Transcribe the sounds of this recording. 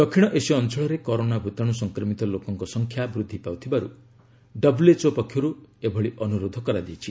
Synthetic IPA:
d̪ɔkʰiɽ̃ɔʔesiɔnt͡ʃʰɔɭɔɾekɔɾonabʱut̪ɔɽ̃usɔŋkɾɔmit̪ɔlokɔŋkɔsɔŋkʰjabɾud̪ʱːipawt̪ʰibaɾu | ɖɔbulet͡ʃopɔkʰːjɔɾuebʱɔɭiʔɔnuɾod̪ʱɔkɔɾad̪it͡ʃʰi

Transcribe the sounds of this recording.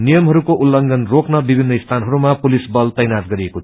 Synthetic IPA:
nijʌmɦʌɾukoʔulːʌŋɡʱʌnroknʌbibʱinːʌist̪ʰanɦʌɾumapulisbʌlt̪ʌjnatɡʌɾieko

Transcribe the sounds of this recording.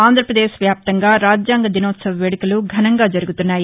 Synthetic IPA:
aːnd̪ʱɾɐpɾɐd̪eːʃʋjaːp̚t̪ɐŋɡaːɾaːd͡ʒjaːŋɡɐd̪inoːt̪sɐʋɐʋeːɽukuluɡʱɐnɐŋɡaːd͡ʒɐɾuɡut̪unːaːji

